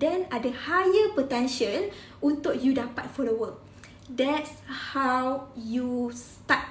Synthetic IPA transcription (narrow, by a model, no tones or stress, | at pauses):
dɛ̃nadəhajəpot̪ɛ̃nʃən | unt̪ʊk̚judapat̚fɔləwəl | dɛtshawjus | t̪at̚